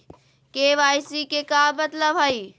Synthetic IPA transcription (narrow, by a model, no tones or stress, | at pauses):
keʋaːjsikekaːmɐt̪ləbɦaiː